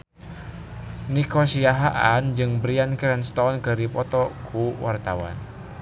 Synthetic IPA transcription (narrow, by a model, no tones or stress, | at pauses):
nikɔsiaɦaʔand͡ʒɨŋbɾiankɾɛnst̪ɔnkəɾipɔt̪ɔkʰuwart̪awa̰n